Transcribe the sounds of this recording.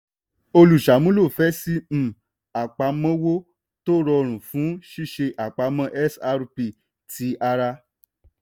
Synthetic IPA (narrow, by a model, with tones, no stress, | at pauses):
o˧lu˨ʃa˨mũ˦lo˦˨fɛ˦si˦m̩̃˦˨ | a˨k͡pa˨˧mɔ̃˦wo˦ | to˦ɾɔ˧ɾ̃ũ˨fũ˨˦ʃi˦ʃe˧ʔa˨k͡pa˨˧˦mɔ̃˦ʔɛ˦sa˧ɾu˧pi˨ | ti˨˦ʔa˧ɾa˧